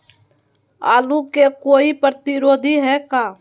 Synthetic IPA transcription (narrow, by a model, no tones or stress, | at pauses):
a̰ːlũkekoːipɾət̪ɪɾoːd̪ʱiɦɛːkaː